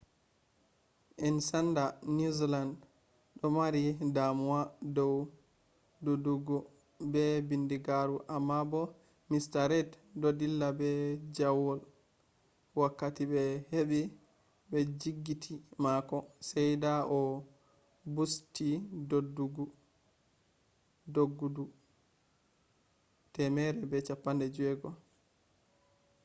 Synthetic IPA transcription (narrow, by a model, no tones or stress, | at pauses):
ʔɛnsandanizland | ɗɔmaɾidamuadɔw | doduɡɔ | bɛbindiɡaɾuʔamːabɔ | mistaɾɛd | dodilːabɛd͡ʒawɔl | wakːatibɛheɓi | bɛd͡ʒiɡːitʰimakɔsɛjdaʔɔ | bustidoduɡu | doɡːudu | tɛmɛɾɛbɛt͡ʃapːandɛd͡ʒɛɡɔ